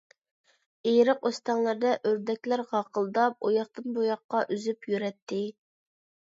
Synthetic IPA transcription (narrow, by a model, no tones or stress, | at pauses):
ejɾəqost̪ɑŋlˠɨɾd̪ɛʔøɾd̪ɛkʲlæɾʁɑqəlˠd̪ɑp̚ojɑχt̪ɨnbojɑqːɑʔyzypjyɾɛt̪ʰːɪ